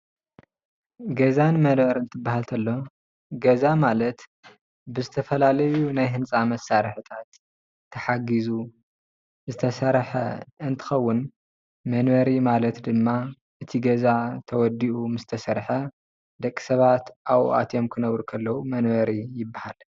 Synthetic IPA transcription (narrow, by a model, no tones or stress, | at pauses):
ɡɐzanmɐnβɐɾɨnt̪ʰɨbːaɦalt̪ʰɐlːo̞ | ɡɐzamalɐt̪ | bɨzɨt̪ʰɐfɐlalɐjunajɦɨnt͡sʼamɐsaɾħɨt̪ʰat̪ʰː | ɐħaɡizu | zɨt̪ʰɐsɐɾħɐ̰ɨnt̪ʰɨ̥xɐwːʊn | mɐnbɐɾimalɐt̪d̪ɨmːa | ʔɨt̪ʰiɡɐzat̪ʰɐwɔd̪iʔumɨzt̪ʰɐsɐɾħɐ | d̪ɐkʼːi̥sɐβat̪ʔawʔa̰t̪jo̞mkʰɨnɐβɾukʰɐlːɐwumɐnβɐɾijɪbːahal